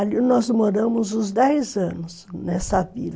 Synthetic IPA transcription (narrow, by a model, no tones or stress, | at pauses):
alinɔzmoɾɐ̃mʊzʊ̃zd̪ɛjzɐ̃nʊsnɛsɐvilɐ